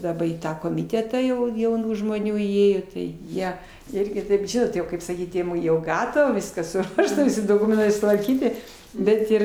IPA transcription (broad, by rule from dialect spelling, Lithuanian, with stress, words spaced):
dɐˈbɐ iː ˈtɑː koːmʲɪˈtʲæːtɑː jɛʊ jɛʊˈnuː ʒmoːˈnʲuː iːˈeːjoː tɐɪ ˈjiɛ ˈɪrʲɡʲɪ kɐɪp ˈʒʲɪnoːt jɛʊ kɐɪp sɐˈkʲiːt jɛʊ ˈɡɑːtɐʋɐ ˈʋʲɪskɐs sʊˈruɔʃtɐ ˈʋʲɪsʲɪ doːˈkʊmʲɛntɐɪ sʊtʋɐrʲˈkʲiːtʲɪ ˈbʲɛt ɪr